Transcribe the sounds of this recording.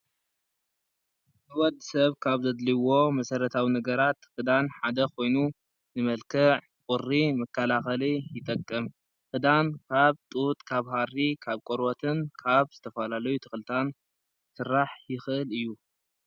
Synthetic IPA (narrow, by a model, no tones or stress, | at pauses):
nɨwɔd̪sɐβkʰaβzɐd̪liwo̞mɐsɐɾɐt̪ʰawinɐɡɐɾat̪xɨd̪anħad̪ɐkʰo̞jnu | nɨmɐlkʰɨʕ | kʼʊrːimɐkʰːɐlaxɐlijɪt̪ʼɐkʼːɐm | xɨd̪ankʰaβt̪ʼut̪ʼkʰaβhaɾikʰaβkʼoɾwot̪ʰɨnkʰaβz̥ɨt̪ʰɐfɐlalɐjut̪ʰɨxlɨt̪ʰan | sɨɾːaħjɪxʔɨlɨjːu